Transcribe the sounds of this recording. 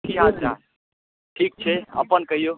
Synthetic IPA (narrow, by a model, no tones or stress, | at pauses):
kiɦãːt͡ʃa̰ː | ʈʰiːk̚t͡ʃʰeɐ̰pənkɐɦijoː